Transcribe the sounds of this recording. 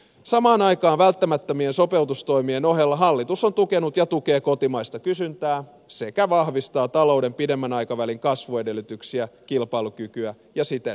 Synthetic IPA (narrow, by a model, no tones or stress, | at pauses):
sɑmɑːnɑikɑːʋælt̪ːæmæt̪ːømienso̞pe̞ut̪ust̪o̞imieno̞ɦelːɑɦɑlːit̪usont̪ukenut̪jɑt̪ukeːkot̪imɑist̪ɑkysynt̪æː | sekæʋɑhʋist̪ɑːt̪ɑloudempidemːænɑjkɑʋæliŋkɑsʋoedelːyt̪yksiækilpɑilukykyæ | jɑsit̪ḛ